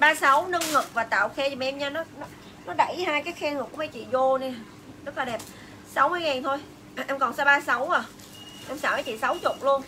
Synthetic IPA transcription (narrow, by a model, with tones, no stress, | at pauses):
ɓaː˧sa˨˦wnə˧ŋŋɨ˨˩k̚vaː˨˩t̪a̰ː˧˨wxɛ˧˨˩m˨˩ʔɛ˧mɲaː˧nɔ˨˦nɔ˨˦ | nɔ˨˦ɗə˧˩jhaː˧jkaː˨˦jxɛ˧ŋɨ˨˩ku˧˩˦ma˨˦jt͡ɕḭ˧˨zo˧ne˧˩˨ | zə˦˥t̚laː˨˩ɗɛ˨˩p̚ | sa˨˦wmɨ˧əjŋaː˨˩nt̪ʰo˧j | ʔɛ˧mkɔ˨˩nsa˧˦ɓaː˧sa˨˦waː˨˩ | ʔɛ˧msaː˨˧˩wma˧˦t͡ɕḭ˧˨sa˨˦wt͡ɕʊ˨˩k͡p̚lu˧ən